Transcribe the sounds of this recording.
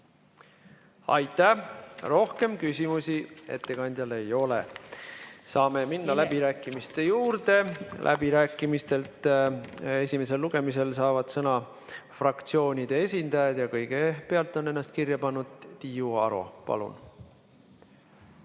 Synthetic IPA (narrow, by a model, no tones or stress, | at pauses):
ɑ̰jt̪ːˑæhro̞hke̞mkysʲimusie̞̰t̪ːe̞kɑnʲd̪̥jɑle̞jo̞lḛ | sɑːme̞minːɑlæbiɾæːkˑːimist̪e̞juːɾd̪e̞lʔæ̰biɾæːkːˑimist̪e̞lt̪ | e̞sʲime̞s̬e̞lːuɡ̥e̞mise̞lsɑːvɑd̪̥sɤnɑ | frɑkt̪sio̞ːnʲid̪̥e̞e̞s̬ʲind̪̥ɑjɑd̪̥jɑkɤjɡ̥epe̞ɑlt̪ːˑo̞ne̞nːɑst̪̚kirjɑpɑnːud̪̥t̪ijuɑ̰ɾṵpɑ̰lṵn